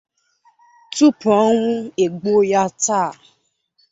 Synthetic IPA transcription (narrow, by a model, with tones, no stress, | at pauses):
tu˦pɔ˦ŋʷʊ̃˦e˨ɡ͡bo˦ja˦ta˦˨